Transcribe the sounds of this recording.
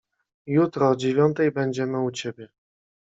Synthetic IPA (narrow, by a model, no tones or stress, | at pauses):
jut̪ɾɔd͡ʑevʲjɔnt̪ɛjbɛɲd͡ʑɛmɘut͡ɕebʲjɛ